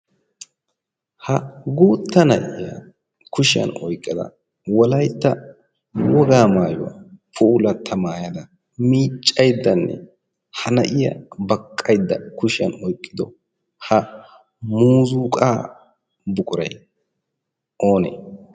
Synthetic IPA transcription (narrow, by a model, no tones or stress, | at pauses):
hɐɡoːt̪ːɐnɐ̰ʔɪjɐ | kʰʊʃɪjɐ̰nɔjkʼːɐd̪ɐ̰ | wɔlɐjt̪ːɐ | wɔɡaːmaːjɔwa̰pʰulɐt̪ʰːɐmaːjɐd̪ɐ | miːt͡ʃʼːɐjd̪ːɐnːɛ̰ | hɐnɐʔɪjɐ̰bɐkʼːɐjd̪ːɐkʊʃɪjɐnɔjkʼːɪd̪ɔ | hɐ | muːzuːkʼaː | bʊkʼʊɾɐj | ʔoːnḛː